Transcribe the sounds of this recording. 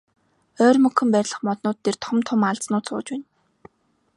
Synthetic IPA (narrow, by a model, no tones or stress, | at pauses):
œːrmɵkxɵ̆mpæɾʲɮə̆χmɔt̪nʊːt̪ʰːert̪ʰɔmt̪ʰʊmaɮt͡snʊːt͡sʰʊ̰ːt͡ɕpæːn